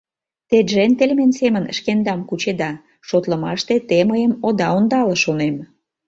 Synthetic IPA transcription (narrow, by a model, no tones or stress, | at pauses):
t̪eʒent̪elʲmensemənə̰ʃkend̪ɑmkut͡ɕed̪ɑ | ʃot̪lə̆mɑʃt̪et̪eməjəmod̪ɑond̪ɑləʃonem